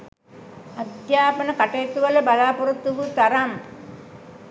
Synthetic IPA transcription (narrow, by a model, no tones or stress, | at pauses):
ad̪jaːpənəkaʈejːt̪uʋələbalaːpuɾut̪ːuʋut̪aɾam